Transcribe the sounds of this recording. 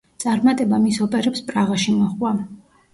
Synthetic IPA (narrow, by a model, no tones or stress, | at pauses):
t̪sʼaɾmat̪ʼɛbamisɔpʼɛɾɛpspʼɾaʁaʃimɔχwa